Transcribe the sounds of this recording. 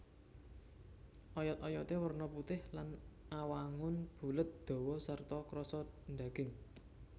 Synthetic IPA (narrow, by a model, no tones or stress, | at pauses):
ʔɔjɔt̪ɔjɔt̪ewərnɔput̪ɪhlanʔawaŋʊnb̥ṳlət̪̚d̪̥ɔ̤wɔsart̪ɔkɾɔsɔnd̪aɡ̥ɪŋ